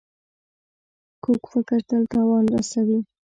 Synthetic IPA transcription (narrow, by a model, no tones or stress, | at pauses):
kokfɪkəɾt̪alt̪ɑwɑnɾasawi